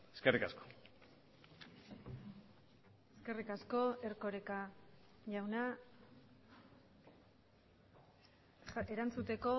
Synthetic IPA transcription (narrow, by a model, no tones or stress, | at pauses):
eskerikasko̥ | eske̞rikasko̞e̞rko̞ɾeka | ʝawna | e̞ɾant͡sut̪e̞ko̞